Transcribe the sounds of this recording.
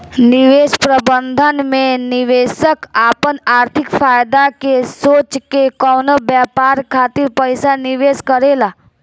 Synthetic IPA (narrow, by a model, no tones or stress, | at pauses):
nɪʋeːspɾəbə̃nd̪ʱənmẽnɪʋeːsəkaːpənaːɾt̪ʰɪkfaːjd̪akesoːt͡ʃkekɔːnobjaːpaːɾkʰaːt̪ɪɾpəɪsanɪʋeːskəɾeːla